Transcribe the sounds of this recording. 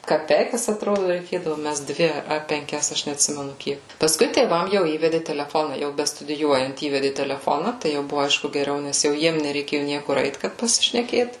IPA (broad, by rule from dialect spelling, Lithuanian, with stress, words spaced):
kɐˈpʲɛɪkɐs ɐtˈroːdʊ rʲɛɪkʲeːdɐʋʊ ˈmʲɛst ˈdʲʋʲɪ ɐ pʲɛŋʲˈkʲɛs ˈɐʃ nʲɛɐtʲˈsʲɪmʲɛnʊ ˈkʲiɛk pɐsˈkʊɪ tʲeːˈʋɐm jɛʊ ˈiːʋʲɛdʲɪ tʲɛlʲɛˈfoːnɐ ˈjɛʊ bʲɛstʊdʲɪˈjuɔjɛnt ˈiːʋʲɛdʲɪ tʲɛlʲɛˈfoːnɐ tɐɪ ˈjɛʊ ˈbʊʋʊ ˈɐɪʃkʊ ɡʲɛˈrʲɛʊ nʲɛs jɛʊ ˈjiɛm nʲɛrʲɛɪˈkʲeːjʊ ˈnʲiɛkʊr ˈɛɪt kɐt pɐsʲɪʃʲnʲɛˈkʲeːt